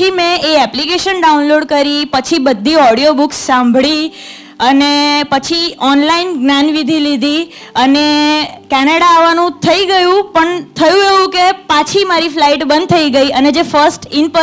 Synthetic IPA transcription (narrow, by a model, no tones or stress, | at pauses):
imẽeɛplikeʃənɖaunloɽkəɾipət͡ʃʰibəd̪ʱːiɔɽijobuksːãmbʱɭi | ənepət͡ʃʰiɔnlainɡnjanʋid̪ʱilid̪ʱi | ənekɛnəɽaːʋanũt̪ʰəiɡəjũpəɳt̪ʰəjũeʋũkepat͡ʃʰimaɾiflaiʈbə̃nd̪̚t̪ʰəiɡəiʔəned͡ʒefəsʈɪnpə